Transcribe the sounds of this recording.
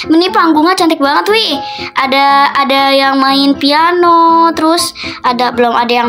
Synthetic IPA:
mənipaŋɡuŋat͡ʃant̪ɪk̚baŋət̪wɪ | ʔadaːdajaŋmaɪnpianot̪əɾʊsadabəlɔmadajaŋ

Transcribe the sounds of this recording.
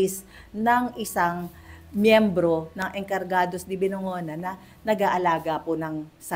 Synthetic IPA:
ɪs | nɐŋʔɪsaŋ | mjɛmbɾo̞nɐŋʔɛŋkɐɾɡaːd̪o̞sd̪ɪbɪnoŋoːnɐnɐ | nɐɡaːʔɐlaːɡɐpʊnɐŋsɐ

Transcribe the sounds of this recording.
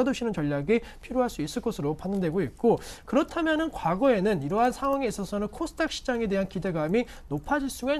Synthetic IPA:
doɕʰinɯnt͡ɕʌʎːaɡepʰiɾjoɦaɭs͈uis͈ɯɭk͈ʌsʰɯɾopanːɯndwe̞ɡoit̚k͈okɯɾʌtʰamjʌnɯnkwaɡʌe̞nɯniɾʌɦansʰaŋwaŋeːs͈ʌsʰʌnɯnkʰosʰɯ̥tʰak̚ɕ͈ʰi̥d͡ʑaŋe̞de̞ɦankide̞ɡami | nopʰad͡ʑiɭs͈uŋe

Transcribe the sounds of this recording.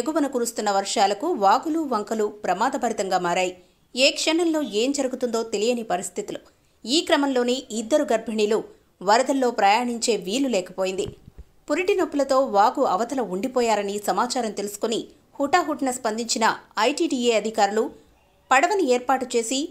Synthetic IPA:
eɡuʋɐnɐkuːɾust̪unːɐʋɐɾʂaːlɐkuʋaːɡuluʋɐŋkɐlupɾɐmaːd̪ɐbʱɐɾit̪ɐŋɡaːmaːɾaːji | eːkʂɛɳɐllo̞ːeːmd͡ʒɐɾuɡut̪und̪o̞ːt̪elijɐnipɐɾist̪ʰit̪ulu | iːkɾɐmɐmlo̞ːniid̪ːɐɾuɡɐɾbʱɐɳilu | ʋɐɾɐd̪ɐlːo̞ːpɾɐjaːɳiɲt͡ʃe̞ːʋiːlulɛːkɐpoːjind̪ḭ | puɾiʈinopːulɐt̪o̞ːʋaːɡuɐʋɐt̪ɐlɐuɳɖipɔːjaːɾɐnisɐmaːt͡ʃaːɾɐmt̪e̞lusu̥koni | huʈaːɦuʈnɐspɐnd̪iɲt͡ʃinɐɐjʈiːɖiːeːɐd̪ʱikaːɾulu | pɐɽɐʋɐnieːɾpaːʈut͡ʃe̞ːsi

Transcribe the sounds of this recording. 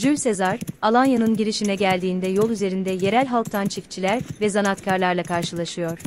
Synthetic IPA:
d͡ʒylʲse̞zaɾalˠanjanɯnɟiɾiʃinɛɟælʲd̪iːnd̪ɛjolˠyze̞ɾind̪ɛje̞ɾælʲɦalˠk̚t̪ʰant͡ʃʰict͡ʃʰilʲæɾvɛzanat̪cʰaɾlˠaɾlˠakʰaɾʃɯlˠaʃɯjo̞ɾ̥

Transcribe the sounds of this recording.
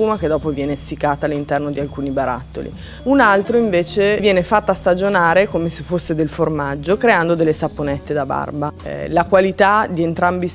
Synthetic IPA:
uːmaked̪ːɔːpovjɛːnest̪ikːaːt̪alːint̪ɛrnod̪ialkuːnibaɾa̰t̪ːo̰lḭ | unalt̪ɾoiɱveːt͡ʃevjɛːnefat̪ːaːst̪ad͡ʒonaːɾekomesefosːed̪elformad͡ʒːokɾeand̪od̪elːesapːonɛt̪ːed̪aba̰rbalakwalit̪ad̪ient̪ɾambi

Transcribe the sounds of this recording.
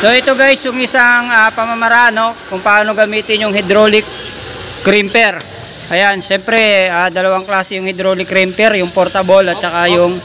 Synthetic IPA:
so̞ʔɛt̪o̞ɡajsjʊŋɪsaŋapɐmɐmɐɾaano̞kʊŋpɐʔaːno̞ɡɐmiːt̪ɪnjʊŋhɪd̪ɾoːlɪkː | ɾimpɛɾ | ʔɐjanʃɛmpɾɛaːd̪ɐlɐwaŋklaːsɛjʊŋhɪd̪ɾoːlɪkːɾimpɛɾjʊŋpoɾt̪ɐbolɐt̪̚t͡ʃɐkajʊŋ

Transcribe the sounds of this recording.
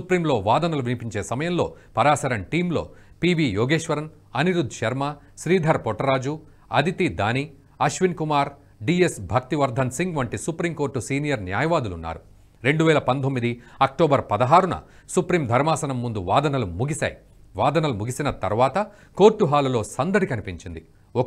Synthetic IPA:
supɾiːmlo̞ːʋaːd̪ɐnɐluʋinipiɲt͡ʃe̞ːsɐmɐjɐmlo̞̰ːpɐɾaːsɐɾɐnʈiːmlo̞̰ː | piːbiːjɔːɡeːʃʋɐɾɐn | ɐniɾud̪ʱːʃɐɾmɐ | ʃɾiːd̪ʱɐɾpɔʈːɐɾaːd͡ʒu | ɐ̰d̪ʱit̪id̪aːni | ɐʃʋinkumaːɾ | ɖiːesbʱɐk̚t̪iʋɐɾd̪ʱɐnsiŋɡʋɐɳʈisupɾimko̞ːɾʈːusiːnijɐɾnja̰ːjɐʋaːd̪ulunːa̰ːɾu | ɾe̞ɳɖuʋɛːlɐpɐnt̪omːid̪iɐk̚ʈoːbɐɾpɐd̪ɐɦaːɾunɐ̰ | supɾiːmd̪ʱɐɾmaːsɐnɐmːund̪uʋaːd̪ɐnɐlumuɡisɐ̰ːj | ʋaːd̪ɐnɐlumuɡisinɐt̪ɐ̰ɾʋaːt̪ɐ | ko̞ːɾʈːuɦaːlulo̞ːsɐnd̪ɐɽikɐnipiɲt͡ʃind̪i | ɔ

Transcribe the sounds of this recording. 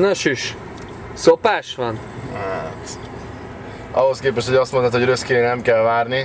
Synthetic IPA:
nɒʃyʃ | sopaːʃʋɒn | at̪ | ɒɦo̞skeːpɛʃt̪ho̞ɟɒst̪mont̪at̪hoɾøskiɾenɛmkɛlvaːrni

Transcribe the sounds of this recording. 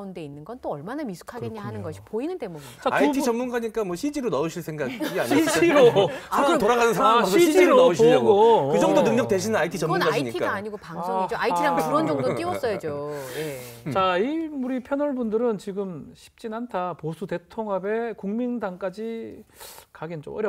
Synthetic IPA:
unde̞inːɯnɡʌnt͈oʌɭmanamisʰu̥kʰaɡenaanɯnɡʌɕʰi̥poinɯnde̞moɡit͡ɕaaiit͡ɕʌmunɡaɲik͈amwʌɕʰid͡ʑiɾonʌuɕʰiɭsʰe̞ŋɡaɡɡa̰ɲid͡ʑiɾoɯotoɾaɣanɯnsʰaɾaasʰɕid͡ʑd͡ʑiɾonʌɕiiɡokɯd͡ʑʌŋdonɯŋɲʌk̚t͈e̞ɕʰinɯnaitʰit͡ɕʌmunɡaaiɲitʰikaaaɲiɡopaŋŋsʰoid͡ʑoaiiɾaŋkuɾʌnd͡ʑʌŋdot͈iwʌs͈ʌjad͡ʑojet͡ɕaimuɾipʰjʌnʌɭbundɯɾɯnt͡ɕiɡɯmɕʰi̥p̚t͡ɕ͈inantʰaposʰute̞tʰoŋɦabe̞kuŋmindaŋk͈ad͡ʑi | kaɡend͡ʑo̰mʔʌɾjʌ

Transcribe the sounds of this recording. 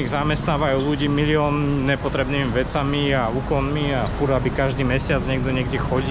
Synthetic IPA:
iɣzamɛst̪naːʋajuluɟiːmiliɔːnnɛpɔt̪ɾɛbniːmiʋɛt͡samiauːkɔnmiafuɾabikaʒd̪iːmɛsɪad͡zɲɛɡ̚d̪ɔɲɛɡɟɛxɔɟi

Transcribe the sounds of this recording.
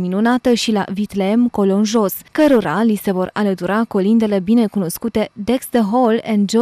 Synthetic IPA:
minunat̪əʃila̰vit̪leemko̞lonʒo̞skəɾo̞ɾalise̞vo̞ralət̪uɾakolind̪e̞le̞bine̞kuno̞skut̪e̞d̪eksd̪əɦolɛ̃nd̪d͡ʒ

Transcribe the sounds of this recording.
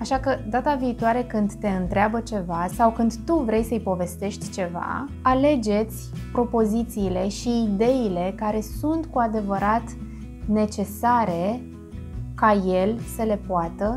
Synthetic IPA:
aʃakəd̪at̪aviːt̪oaɾe̞kɨnd̪ːe̞ɨnt̪ɾeabət͡ʃe̞vasawkɨnd̪t̪uvɾe̞jsəɨjpo̞ve̞st̪e̞ʃt̪ʲt͡ʃe̞va̰ | ale̞d͡ʒe̞t̪sʲpɾo̞po̞zit̪siːle̞ʃiːd̪e̞ile̞kaɾe̞sunt̪kuad̪e̞vəɾʔat̪ | ne̞t͡ʃe̞saɾe̞ | kaje̞lsəle̞poat̪ə

